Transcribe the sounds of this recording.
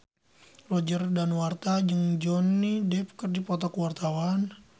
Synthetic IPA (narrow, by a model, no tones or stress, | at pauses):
rɔd͡ʒərdanwart̪ad͡ʒɨŋd͡ʒɔnːidɛp̚kərdipɔt̪ɔkəwart̪awan